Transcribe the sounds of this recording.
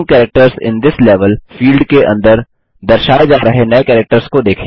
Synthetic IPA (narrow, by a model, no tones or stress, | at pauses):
ŋkɛːɾək̚ʈəɾzɪ̰̃nd̪ɪsleːʋəlfiːlɖkeʔɐ̰̃nd̪əɾ | d̪ɐɾʃaːed͡ʒaːɾɐɦenɐekɛːɾək̚ʈəɾskod̪eːkʰẽ